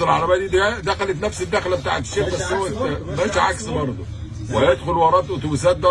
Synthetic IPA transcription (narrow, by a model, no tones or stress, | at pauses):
elʕɑɾˤɑbæːd̪iːd̪d̪æxælæt̪næfsɪd̪ːæxlæbet̪a̰ːʕet̪ʃːeːbbæsːʔæwæent̪ːæbæːʃʕa̰ksbɑɾˤd̪ˤṵ | wɪæjed̪xʊlwɑɾˤɑːt̪ʔot̪ubsæːt̪̚d̪æ